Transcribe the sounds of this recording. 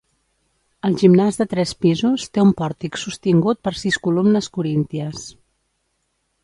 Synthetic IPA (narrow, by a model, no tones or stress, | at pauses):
əlˠʒimnazdðət̪ɾɛspizust̪eumpɔɾt̪iksust̪iŋɡut̪̚pəɾsiskulumnəskuɾint̪iəs